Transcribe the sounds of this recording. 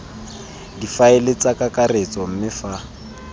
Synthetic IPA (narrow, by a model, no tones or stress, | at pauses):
difaelet͡sʼakʼakʼaret͡sɔm̩mɪfa